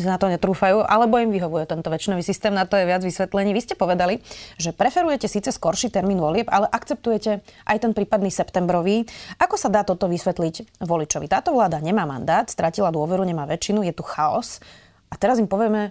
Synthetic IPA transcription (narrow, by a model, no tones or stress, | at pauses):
snat̪ɔɲɛt̪ɾuːfajuːʔalɛbɔimʋiɦɔʋujɛt̪ɛnt̪ɔʋɛt͡ʃinɔʋiːsist̪ɛːmnat̪ɔjɛʋad͡zʋisʋɛt̪lɛɲiːʋiscɛpɔʋɛd̪aliʒɛpɾɛfɛɾujɛcɛsiːt͡sɛskɔɾʃiːt̪ɛɾmiːnʋɔlɪɛbalɛʔakt͡sɛp̚t̪ujɛcɛʔajt̪ɛnpɾiːpad̪niːsɛpt̪ɛmbɾɔʋiːʔakɔsad̪aːt̪ɔt̪ɔʋisʋɛt̪liɟʋɔlit͡ʃɔʋit̪aːt̪ɔʋlaːd̪aɲɛmaːma̰nd̪aːt̪st̪ɾʔacilad̪ʊɔʋɛɾuɲɛmaːʋɛt͡ʃinujɛt̪uxaɔ̰s | at̪ɛɾazimpɔʋɪɛmɛ